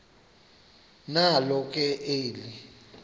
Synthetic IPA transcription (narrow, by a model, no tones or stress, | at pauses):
nalɔkʼɛʔeːli